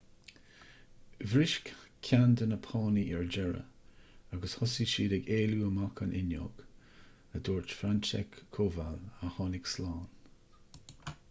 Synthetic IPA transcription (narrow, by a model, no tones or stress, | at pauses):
vɾɪʃkkʰand̪ənəpʰɑːniʔɛɹd͡ʒɛɹə̰aɡəshʊsiʃiːdɛɡeːluːəmakʰənʔɪnjo̰ːɡ̥ | əd̪oːɹt͡ʃfɾant͡ʃɛ̰kʰːoːvaləhɑːnɪɡslɑːn